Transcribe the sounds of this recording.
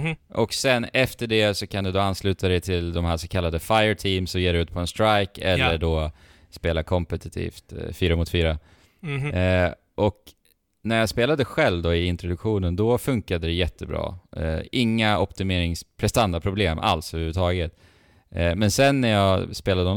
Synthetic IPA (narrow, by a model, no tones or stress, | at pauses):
ʔɔksɛnːɛft̪əɖɛsɔkʰand̪ɵd̪oːanslʉ̟ːt̪ʰad̪ɛjt̪ʰɪld̪ɔmhæːʂsɔkʰalːad̪əfajəʈʰiːmsɔjeːd̪ɛʉ̟ːt̪̚pʰɔɛnst̪ɾajkɛlːəɖɔː | speːlakʰɔmpɛt̪ɪt̪ʰḭːft̪fyːɾamʊt̪fyːɾa | ʔɔk | næɾjaspeːlad̪əɧɛlvd̪ɔɪɪnt̪ɾʊd̪ɵkɧuːnənd̪ɔfɵŋkad̪əd̪ɛjɛt̪ʰːəbɾɑ̰ːɪŋːaɔpt̪ɪmeːɾɪŋspʰɾɛst̪and̪apʰɾʊbleːmʔa̰lshœvʉvət̪ʰɑːɡət̪ | mɛnsɛnːæɾjɑːspeːlad̪əɔ